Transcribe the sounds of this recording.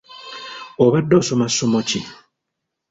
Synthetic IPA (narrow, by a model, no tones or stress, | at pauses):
oβadːosomasːomoci